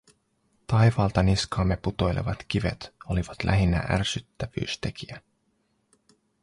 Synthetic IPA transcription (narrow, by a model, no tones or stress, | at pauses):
t̪ɑjʋɑːlt̪ɑniskɑːmːe̞put̪o̞jle̞̰ʋɑt̪k̟iʋe̞̰t̪oliʋɑt̪lʔæ̰ɦinːæ̰ʔærsyt̪ːæʋy̰ːst̪e̞kʰiæ